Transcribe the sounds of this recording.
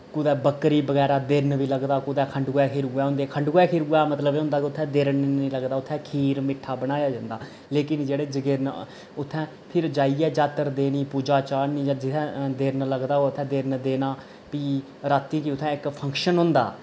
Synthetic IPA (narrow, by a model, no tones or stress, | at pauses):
kʊd̪ɛːbəkɾiːbəɡɛːɾaːd̪ɪɾnʋiːləɡd̪aːkʊd̪ɛːkʰəɳɖɡoɛːkʰiːɾɡʊɛːɦʊ̃ːnd̪eːkʰəɳɖɡoːɛːkʰiːɾɡʊɛːmət̪ləbeːɦʊ̃ːnd̪aːkʊt̪ʰːɛ̃ːd̪ɪɾnĩːləɡd̪aːʊt̪ʰːɛ̃ːkʰiːɾmɪʈʰːaːbəɽaːjaːd͡ʒãːnd̪aː | leːkɪnd͡ʒeːɽeːd͡ʒɡəɾn | ʊt̪ʰːɛ̃ː | pʰɪɾd͡ʒaːiːɛːd͡ʒaːt̪əɾd̪eːniːpuːd͡ʒaːt͡ʃaːɾnĩːd͡ʒaːd͡ʒɪt̪ʰɛ̃ːd̪ɪɾnləɡd̪aːoːt̪ʰːɛ̃ːd̪ɪɾnd̪eːnaː | piː | ɾaːt̪ːĩːkiʊt̪ʰːɛ̃ːɪkpʰə̃ŋkʃənɦʊ̃ːnd̪a̰ː